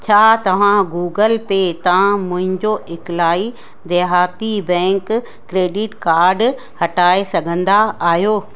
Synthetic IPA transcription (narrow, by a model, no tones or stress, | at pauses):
t͡ɕʰaːt̪ɐʋ̤ãɡuːɡəlpet̪ɐ̤ãmʊ̃ɦɪ̃ɲd͡ʑoʔɪklaːi | d̪eːɦaːt̪ibɛ̃ːŋkː | ɾeːɖɪʈkaːɾɖ | hɐʈaːesɐɡʱə̃nd̪aaːɦjoː